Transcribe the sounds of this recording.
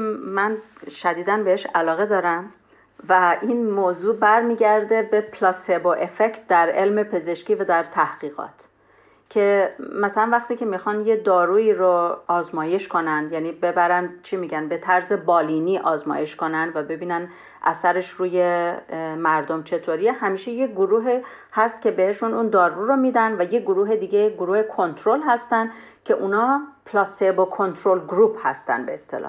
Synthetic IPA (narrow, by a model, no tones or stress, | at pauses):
mænʃæd̪iːd̪ænbe̞heʃælɒːɣe̞d̪ɒːɾæm | væʔinmoːzuːbæɾmiːɟæɾd̪e̞be̞pʰlɒseboʔe̞fect̪̚d̪æɾe̞lme̞pʰe̞ze̞ʃciːvæd̪æɾt̪ʰæhɢ̥iːɣɒ̰ːt̪ʰ | cʰe̞mæsælænvæxt̪iːcʰe̞mixɒnjed̪ɒːɾuːiːɾoɒːzmɒːje̞ʃkʰo̞nænd̪jæniːbe̞bæɾænd̪t͡ʃʰimiɟænbe̞t̪ʰæɾze̞bɒːliniːʔɒːzmɒ̰ːje̞ʃko̞nænd̪væbe̞biːnæn | ʔæ̰sæɾe̞ʃɾuːje | mæɾd̪omt͡ʃʰe̞t̪ʰoɾiehæmiːʃe̞je̞ɡoɾuːɦi | hæst̪̚cʰʲe̞be̞he̞ʃunuːnd̪ɒːɾuɾomid̪ænvæjeɡoɾuːɦe̞d̪iːɟe̞jeɡoɾuːhekʰo̞nt̪ʰɾolɦæst̪ænd̪ | cʰe̞ʔunɒːpʰlɒsebokʰo̞nt̪ʰɾolɡɾuːphæ̰st̪æ̰nbeːst̪e̞̰lɒ̰h